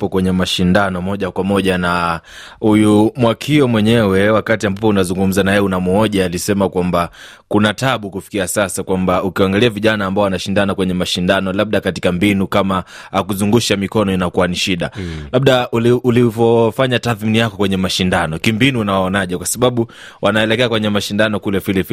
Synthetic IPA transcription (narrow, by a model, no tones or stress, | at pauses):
pɔkwɛɲɛmaʃindanɔmɔʄakwamɔʄana | hujumwakʰiɔmwɛɲɛwɛwakatiambapɔunazuŋɡum̩zanajɛunamuɔʄaːlisɛmakwambakunataɓukufi̥kiasasakwambaukiaŋɡaliaviʄanaːmbaɔanaʃindanakwɛɲɛmaʃindanɔlaɓ̚ɗakati̥kambinukamaakuzuŋɡuʃamikɔnɔinakuwaniʃiɗa̰laɓ̚ɗauliulivɔfaɲataːθminijakɔkwɛɲɛmaʃindanɔkimbinuːnawaɔnaʄɛkwasaɓaɓu | wʔanaɛlɛkɛakwɛɲɛmaʃindanɔkulɛvilɛvi